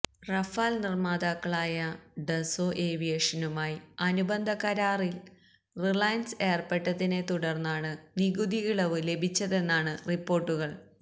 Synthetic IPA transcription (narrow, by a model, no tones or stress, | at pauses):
rɐfaːlnirmaːd̪aːkːɐɭaːjɐɖesoːʔeːʋijeːʂɐnumaːjiɐnubɐnd̪ʱɐkɐɾaːril | riɭɐjɐnse̞ːrpeʈːɐðine̞t̪uɽɐrnːaːɳɨniɣud̪iɣiɭɐʋɨle̞bʱit͡ɕːɐðe̞nːaːɳɨripːo̞ːrʈːuɣɐɭ